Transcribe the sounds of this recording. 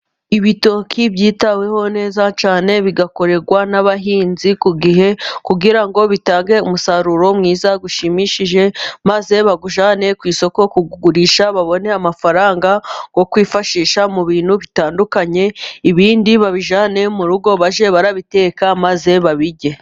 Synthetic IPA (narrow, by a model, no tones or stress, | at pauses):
iβito̞kʰibɟiːtawe̞ho̞ne̞ːzat͡ʃaːne̞βiɡako̞ɾe̞ɾɡwanaβaɦiːnzikuɡihe̞kuɡiɾaŋɡo̞βitaːŋɡe̞umusaɾuɾo̞mŋiːzaɡuʃimiʃiʒe̞maze̞βaɡuʒaːne̞kwiːso̞ko̞kuɡuɡuɾiːʃaβaβo̞ne̞amafaɾaːŋɡaɡ̥o̞kwiːfaʃiːʃamuβiːn̥huβitaːndukaɲe̞iβiːndiβaβiʒaːne̞muɾuɡo̞βaʒe̞βaɾaβite̞ːkamaze̞βaβiɟe̞